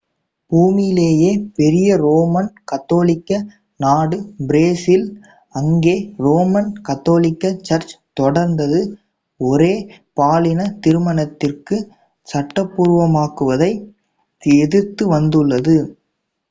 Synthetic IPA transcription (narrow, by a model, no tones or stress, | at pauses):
b̥uːmɪjɪleːjeːpɛɾɪjɐɾoːmɐnkɐt̪ːoːlɪkːɐ | naːɽɯbɪɾeːsɪl | ɐŋɡeːɾoːmɐnkɐt̪ːoːlɪkːɐt͡ʃɐɾt͡ʃt̪ɔɽɐɾnd̪ɐðɯ | ɔɾeː | paːlɪnɐt̪ɪɾɯmɐnɐt̪ːɪrkɯ | sɐʈːɐpːuːɾʋɐmaːkɯʋɐðɐɪ | ɛðɯt̪ːɯʋɐnd̪ɯɭːɐðɯ